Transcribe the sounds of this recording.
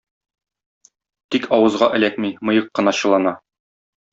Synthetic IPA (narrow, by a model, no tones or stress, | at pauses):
t̪ikʰɒwɤ̆zʁɑʔɘ̆lækmimɤ̆jɤqːɤ̆nɑɕɤ̆lˠɑnɑ